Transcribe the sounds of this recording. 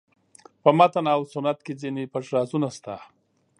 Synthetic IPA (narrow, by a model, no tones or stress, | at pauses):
pəmat̪anawsʊnat̪̚ked͡zinepaʂɾɑzunast̪a